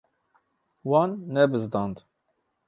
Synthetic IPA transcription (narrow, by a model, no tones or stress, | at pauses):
wɑnːɛbɨzd̪ɑnd̪